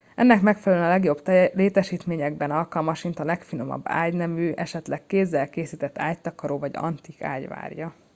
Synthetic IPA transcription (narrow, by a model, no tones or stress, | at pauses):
ɛnːɛkmɛkfɛlɛlønɒlɛɡjo̞bt̪leːt̪ɛʃiːt̪meːɲɛɡ̚bɛnɒlkɒlmɒʃmint̪ɒlɛkfino̞mɒ̰bːa̰ːɟnɛvyːʔɛʃɛt̪lɛkːeːzːɛlkeːsiːt̪ɛt̪ːaːct̪ɒkɒɾoːvɒɟɒ̰nt̪ika̰ːɟʋa̰ːrjɒ